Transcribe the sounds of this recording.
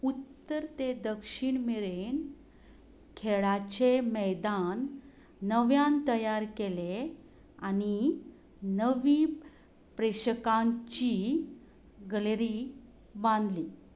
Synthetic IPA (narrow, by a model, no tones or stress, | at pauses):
ut̪ːəɾt̪ed̪əkʂiɳmeɭen | kʰeɭat͡ɕeməjd̪anː | əʋjãnt̪əjaɾkele | ani | nəʋi | pɾeɕəkãɲt͡ɕi | ɡəleɾi | bãnd̪liː